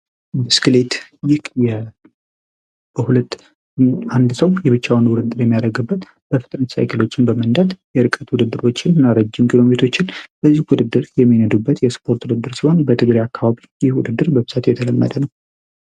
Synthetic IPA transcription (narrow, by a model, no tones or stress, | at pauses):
bəskɨlet̪jɪjɛ | bəhulət̪ː | and̪səwjɛβɨt͡ʃːawnwʊd̪ɨd̪ːɨɾjɛmːijaɾəɡɨbːət̪ | b̥əfɨt̪ʼɾənsa̰jkʰəlo̞t͡ʃːɪnbəmənd̪at̪jɛɾɨkʼət̪wud̪ɨd̪ːɨɾo̞t͡ʃːɪnnaɾəd͡ʒːɪmkʰʼilo̞met̪ʰo̞t͡ʃːɪnbəzːihwud̪ɨd̪ːɨɾjɛmːinəd̪ubːət̪jɛspʰo̞ɾt̪wud̪ɨd̪ːɨɾsionbət̪ʰɨɡɾajakːaβaβijɪhwud̪ɨd̪ːɨɾbəbɨz̥at̪jɛt̪ʰələmːə̰d̪ənəw